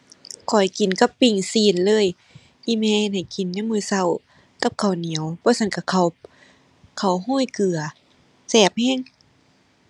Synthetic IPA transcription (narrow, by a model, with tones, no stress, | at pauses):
kʰɔ˨˩jki˨˩nka˧˦pːi˧˩ŋsiː˧˩˨nlɤː˧˥˨j | ʔiː˧˨mɛː˧he˧˩nha˨˩jki˨˦nːa˧˥˨mɯː˧˩˨sa˧˩˨w | ka˧˩p̚kʰa˨˩wni˨˦ə˦wbɔː˧˦sa˧˥˨nka˧˩kʰa˧˩w | kʰa˨˩wɦoː˧˥˨jkʰɯ˨˩ɐ | sɛː˧˩p̚hɛː˧˥˨ŋ